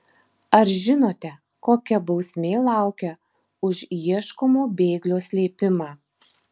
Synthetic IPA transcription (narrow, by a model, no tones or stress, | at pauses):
ɐɾʒʲɪnoːt̪ʲɛ | koːkʲɛbɒʊsʲmʲeːlˠɑˑʊkʲɛ | ʊʃiɛʃkomoːbʲeːɡlʲoːsʲlʲeːpʲɪmɑː